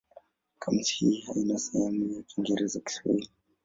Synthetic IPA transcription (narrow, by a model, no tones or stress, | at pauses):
kʰamthihainasahamujakiŋɡɛɾɛzaki̥swḛ